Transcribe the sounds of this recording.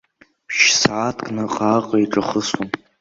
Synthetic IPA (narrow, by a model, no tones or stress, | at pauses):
ʃsaatʰkʼnɨqʼaqʼaiʈ͡ʂʼaχəsom